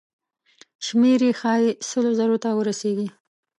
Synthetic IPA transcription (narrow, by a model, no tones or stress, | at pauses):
ʃmeɾexɑjesəlozaɾot̪awəɾaseɡi